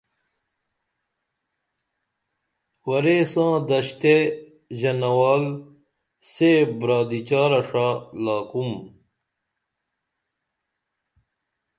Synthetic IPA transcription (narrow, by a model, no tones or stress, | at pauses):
wɐɾesãːd̪ɐɕt̪e | ʑɐnɐwaːl | sebɾaːd̪it͡ɕaːɾɐʂalaːkum